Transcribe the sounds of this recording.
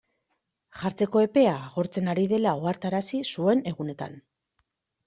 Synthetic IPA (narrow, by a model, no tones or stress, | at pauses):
ʝaɾt͡se̞ko̞e̞pe̞aːɣo̞ɾt͡se̞naɾiðe̞lao̞aɾt̪aɾasisue̞ne̞ɣune̞t̪a̰n